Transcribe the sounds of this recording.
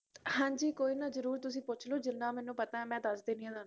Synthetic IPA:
hãːɲd͡ʒiːkoːiːnãːzəɾuːɾt̪ʊsĩːpʊt͡ʃʰloːd͡ʒɪnːãːmɛːnũːpət̪ãːɛ̃ːmɛ̃ːd̪əsd̪eːniãːd̪aːn

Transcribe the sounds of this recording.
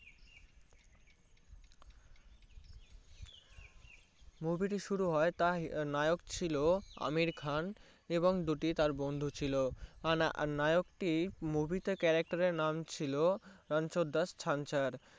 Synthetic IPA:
mubiʈiʃuɾuɦɔet̪anajokt͡ɕʰiloa̰miɾkʰan | eboŋd̪uʈit̪aɾbond̪ʱut͡ɕʰiloanajokʈimubʱit̪ekɛɾak̚ʈaɾeɾnamt͡ɕʰiloɾant͡ɕod̪ːast͡ɕʰant͡ɕaɾ

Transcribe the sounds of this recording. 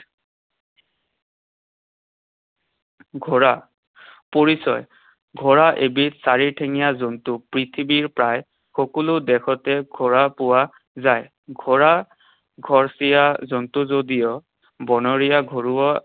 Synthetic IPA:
ɡʱɔɹa | poɹisɔj | ɡʱɔɹaʔebitsaɹiɹtʰeŋijazɔntʊpɹitʰibiɹpɹaj | xɔkulʊdɛxɔtɛɡʱɔɹapʊwa | zaj | ɡʱɔɹa | ɡʱɔɹsijazɔntʊzodijɔ | bɔnɔɹijaɡʱɔɹuɔ

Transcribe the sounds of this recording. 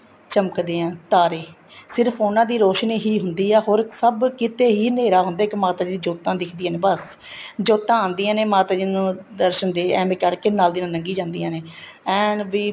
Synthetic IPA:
t͡ʃəməkd̪eːãːt̪aːɾeː | sɪɾfʰoːnãːd̪iːɾoːʃniːɦiːɦʊnd̪iːɛːɦoːɾsəbkɪt̪eːɦiːneːɾaːɦʊnd̪aːɪkːmaːt̪aːd͡ʒinːd͡ʒoːt̪ãːd̪ɪkʰd̪iːãːneːbəs | d͡ʒoːt̪ãːãːnd̪iːãːneːmaːt̪aːd͡ʒinũːd̪əɾʃənd̪eːɛ̃ːmeːkəɾkenaːld̪iːnãːnəŋɡiːd͡ʒãːnd̪iːãːneːɛ̃ːnbiː

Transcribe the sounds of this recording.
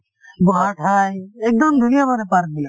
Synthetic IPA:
boɦaʈʰaːjeːk̚d̪əmd̪ʱunijamanepaɾ̚d̪ia

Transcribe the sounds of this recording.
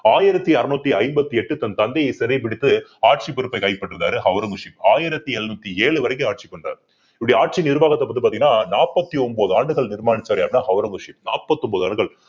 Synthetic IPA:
aːjɪɾɐt̪ːiɐɾɯnuːt̪ːiɐɪmbɐt̪ːiɛʈːɯt̪ɐnt̪ɐnd̪ɐjɐɪsɛɾɐɪp̬ɪɽɪt̪ːɯaːʈ̚t͡ʃipːʊɾɯpːɐɪkɐɪpːɐʈːɯʋɯða̰ːɾɯhɐʋɾɐŋɡɯʂimaːjɪɾɐt̪ːiɛɭnuːt̪ːieːɭɯʋɐɾɐɪk̬ːɯaːʈ̚t͡ʃikːɔɳɖra̰ːɾ | ɪpɐɽiaːʈ̚t͡ʃinɪɾɯʋaːɣɐt̪ːɐpːɐt̪̬ːɯpaɾt̪iŋɡɪnaːnaːpːɐt̪ːiɔmboːðɯaːɳɖɯɣɐɭnɪɾmaːnɪt͡ʃːɐɾɐjaːpnaːhɐʋɾɐŋɡɯʂimna̰ːpːɐt̪ːɔmboːðɯaːɳɖɯɣɐɭ

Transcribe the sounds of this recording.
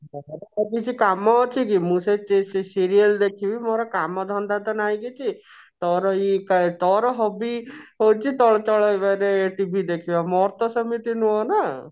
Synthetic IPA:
ɔɾaakit͡ʃʰikamɔːt͡ʃʰikimũset͡ʃessiɾijəld̪ekʰibimoɾɔkamɔd̪ʱɔnd̪at̪ɔnajɡit͡ʃʰi | t̪ɔɾɔikat̪ɔɾɔɦɔbiɦowt͡ʃʰit̪ɔɭɔt͡ʃɔɭajbaɾeeʈibʱid̪ekʰibamɔɾt̪ɔsəmit̪inũɔna

